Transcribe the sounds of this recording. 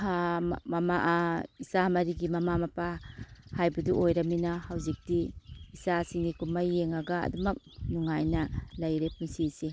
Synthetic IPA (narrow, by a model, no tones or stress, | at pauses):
hamamaʔaisamɐɾiɡimamamapahajbaduʔojɾaminahawzik̚diːsasiŋnikumajːeŋaɡa̰ːdumɐk̚nuŋajnalajɾepʰuŋsisi